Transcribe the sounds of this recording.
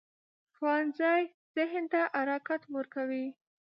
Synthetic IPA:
xwɑnzɑj | z̥ɪɦnt̪aʔaɾɑkat̪wəɾkawi

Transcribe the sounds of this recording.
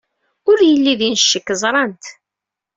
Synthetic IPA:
ʊɾjəlːiðinʃːəkːəzˤɾˤɑnt̪

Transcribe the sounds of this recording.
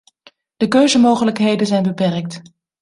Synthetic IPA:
d̥əkøɥzəmowχələkɦejdənzɛjnbəpɛrk̚t

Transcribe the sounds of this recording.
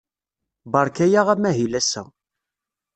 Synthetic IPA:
bɑɾˤkæjaʁæmæɦilæsæ̰

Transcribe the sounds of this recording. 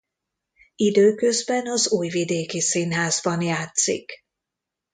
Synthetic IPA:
id̪øːkø̞zbɛnɒzuːjvid̪eːkisinɦaːzbɒnjaːt̪sḭk

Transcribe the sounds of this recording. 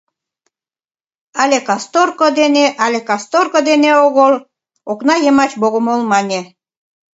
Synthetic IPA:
ɑlʲekɑst̪orkod̪eneʔɑlʲekɑst̪orkod̪eneoɣol | oknɑjemɑt͡ɕboɣomolmɑnʲe

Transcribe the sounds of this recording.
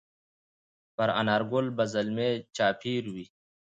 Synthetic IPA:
pɐɾɐ̰naɾɡolbɐzɐlmet͡ɕaːpʰiːɾuwiː

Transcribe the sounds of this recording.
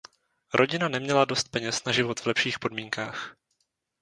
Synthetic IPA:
ɾʔo̞ɟɪnanɛmɲɛlado̞st̪̚pɛɲɛsnaʒɪvo̞t̪v̥lɛpʃiːxpo̞dmiːŋkaːx

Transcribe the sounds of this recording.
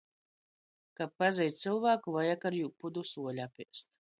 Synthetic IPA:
kapːazɛjt̪sɨlˠvaːkuvajakaɾjuːpud̪usuɔlʲapʲiɛst̪̚

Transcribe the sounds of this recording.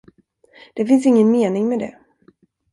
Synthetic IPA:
d̪̥ɛfɪns̬ɪŋːənmeːnɪŋmɛd̪ɛ̰

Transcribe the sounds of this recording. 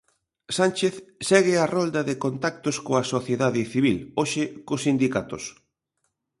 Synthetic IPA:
sant͡ʃeθsɛɣ̞ɪarɔld̪ɐðekont̪ak̚t̪oskoɐsoθjeðaðɪθiβ̞iloʃɪkʊsind̪ikat̪o̰s

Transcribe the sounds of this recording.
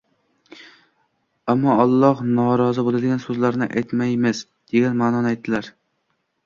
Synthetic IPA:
amːɒɒlˠːɒhnɒɾɒzɪbolˠad̪ɪɡʲansɵzlaɾnɪʔa̰jt̪majmɪs | d̪̥e̞ɡʲanmaːnɒnɪajt̪̚ːɪlaɾ

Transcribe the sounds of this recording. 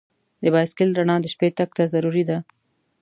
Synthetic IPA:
d̪əbɑjskɪlɾaɳɑd̪əʃpet̪ak̚t̪azaɾuɾid̪a

